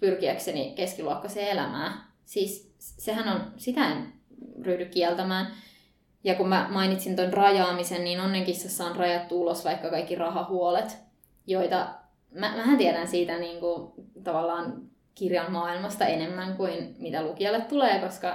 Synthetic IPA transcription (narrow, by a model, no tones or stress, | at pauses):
pyrkiæksenḭkeskiluokːɑseːelæ̰mæ̰ː | siːs | seɦænonsit̪æen | ryːdykkiɛlt̪æmæːn | jɑkummæmɑinit̪sint̪onrɑjɑːmisenniːnonːeŋkisɑsːɑːnrɑjɑt̪t̪ːuulosʋɑikːɑkɑikːirɑhɑhuolet̪ | joit̪ɑ | mæmæɦænt̪iɛɾænsiːt̪æniːŋkut̪ɑʋɑlːɑːŋ | kirjɑmmɑːilmɑst̪ɑenemːæŋkuinmit̪ælukiɑlːet̪tuleːkoskɑ